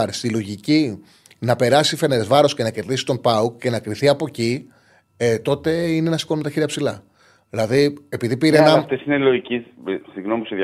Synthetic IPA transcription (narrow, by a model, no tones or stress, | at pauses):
ɾst̪ilo̞ʝici | nɐpe̞ɾɐsifeneɾe̞zvɐɾo̞sce̞nɐce̞ɾðisi̥t̪o̞npɐukcːe̞nɐkɾiθiɐpo̞ci | et̪o̞t̪e̞inenɐsi̥ko̞nmet̪ɐçiɾiɐpsilɐ | ðilɐðie̞piðipiɾenɐft̪esineloʝicissiɣnomiusið